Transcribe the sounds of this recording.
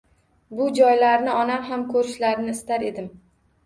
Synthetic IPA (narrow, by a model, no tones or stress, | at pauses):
bʊd͡ʒɒjlaɾnɪɒnamɦamkʰɵɾɪʃlaɾnɪːst̪aɾe̞d̪ɪm